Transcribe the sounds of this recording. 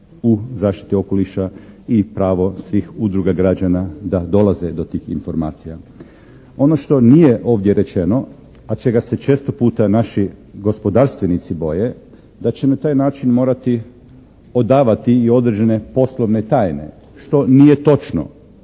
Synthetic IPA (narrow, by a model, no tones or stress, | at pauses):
uzaːʃt̪i̥t̪io̞koliʃaipɾaːʋo̞sʋixud̪ɾuɡaɡɾad͡ʒanad̪ad̪o̞lˠaze̞d̪o̞t̪iːxḭnfo̞ɾma̰ːt̪sija | o̞no̞ʃt̪o̞nije̞ʔo̞ːʋd̪jeɾe̞t͡ʃeno̞ | at͡ʃe̞ɡase̞t͡ʃe̞ːst̪opuːt̪anaʃiɡo̞spo̞d̪aɾst̪ʋenit̪sibo̞je̞ | d̪at͡ɕenat̪aːjnaːt͡ʃinmo̞ːɾat̪i | o̞d̪aːʋat̪iio̞d̪ɾed͡ʒene̞po̞sloʋne̞t̪aːjne̞̰ | ʃt̪o̞nijet̪o̞t͡ʃno̰